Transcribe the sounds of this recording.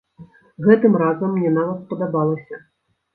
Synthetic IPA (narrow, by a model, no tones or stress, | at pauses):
ɣɛt̪ɨmɾazɐmːnʲɛnavɐt̪spɐd̪abalˠɐsʲɐ